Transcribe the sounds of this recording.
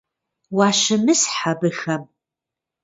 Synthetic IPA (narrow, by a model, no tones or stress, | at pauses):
waʃɨmɨsħabɨxɐm